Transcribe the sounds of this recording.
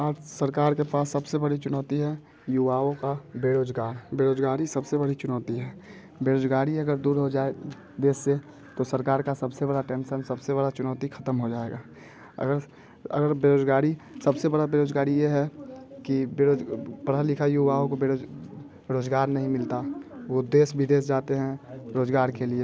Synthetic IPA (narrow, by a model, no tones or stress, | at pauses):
aːd͡ʒsəɾkaːɾkepaːsːɐbsebɐɽit͡ʃʊnɔːt̪iɦɛ | juʋaːõkabeːɾoːd͡ʒɡaːɾbeːɾoːd͡ʒɡaːɾisɐbsebɐɽit͡ʃʊnɔːt̪iɦɛː | beːɾoːd͡ʒɡaːɾiɐɡəɾd̪uːɾɦod͡ʒaːe | d̪eːsːe | t̪osəɾkaːɾkasɐbsebɐɽaʈẽːnʃənsɐbseβɐɽat͡ʃʊnɔːt̪ikʰɐt̪əmɦod͡ʒaːḛɡaː | ɐ̰ɡəɾ | ə̰ɡəɾbeːɾoːd͡ʒɡaːɾisɐbsebəɽabeːɾoːd͡ʒɡaːɾijeɦɛkibeɾopəɽəlɪkʰaiubaːõkobeo | ɾoːd͡ʒɡaːɾnɐɦĩmɪlt̪aʋod̪eːsbʱid̪eːsd͡ʒaːt̪eɦɛ̃ɾoːd͡ʒɡaːɾkelie